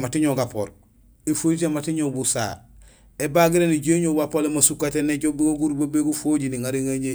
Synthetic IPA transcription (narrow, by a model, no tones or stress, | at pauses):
matiɲoɡapo̰ɾ | efoɾitematiɲobusa̰ː | ebaɡiɾeniɟeɲobapolemasukːateneɟobiɡoɡuɾbobeɡufoɟiniŋaɾiŋaɲe